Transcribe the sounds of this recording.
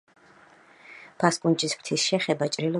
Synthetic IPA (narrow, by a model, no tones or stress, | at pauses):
b̥ʰaskʼunt͡ʃʼispʰt̪ʰisʃɛχɛbat͡ʃʼɾilɔ